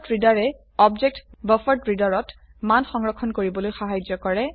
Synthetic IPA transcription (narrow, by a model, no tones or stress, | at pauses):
tɹidaɹɛ | ɔbd͡ʒek̚tbəfɔɹtɹidaɹɔt | manxɔŋɹɔkʰːɔnkoɹibɔlojxaɦajd͡ʒɔkɔɹɛ